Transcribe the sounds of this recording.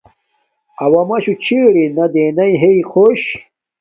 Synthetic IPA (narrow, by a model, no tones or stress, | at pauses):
ɐwɐmɐɕut͡ɕʰiːɽinɐd̪enɐjɦeixʰoɕ